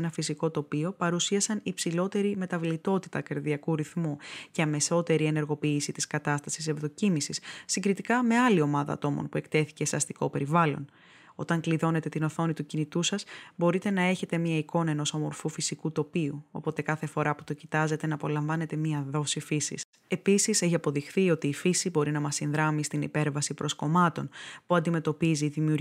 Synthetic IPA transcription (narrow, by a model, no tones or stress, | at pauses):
nɐfisiko̞t̪o̞pio̞pɐɾusiɐsɐnipsilo̞t̪e̞ɾime̞t̪ɐvlit̪o̞t̪i̥t̪ɐkɐɾðiɐkuɾiθmuceɐme̞so̞t̪e̞ɾie̞ne̞ɾɣo̞piːsit̪iskɐt̪ɐst̪ɐsisevðo̞cimisisːiŋɡɾit̪ikɐme̞ɐlio̞mɐðɐ̰ːt̪o̞mo̰npue̞kt̪e̞θi̥ce̞seɐst̪iko̞pe̞ɾivɐlo̞̰n | o̞t̪ɐŋkliðo̞ne̞t̪e̞t̪ino̞θo̞nit̪ucinit̪usɐsbo̞ɾit̪e̞nɐe̞çe̞t̪e̞mɲɐiko̞nɐe̞no̞somo̞ɾfufisikut̪o̞piuo̞po̞t̪e̞kɐθe̞fo̞ɾʔɐpu̥t̪o̞cit̪ɐze̞t̪e̞nɐːpo̞lɐɱvɐne̞t̪e̞miɐðo̞sifisḭs | e̞pisiseçiɐpo̞ðixθio̞t̪iːfisibo̞ɾinɐmɐsinðɾɐmist̪inḭpe̞ɾvɐsipɾʔo̞sko̞mɐt̪o̞̰npuɐnd̪ime̞t̪o̞piziːðimiuɾ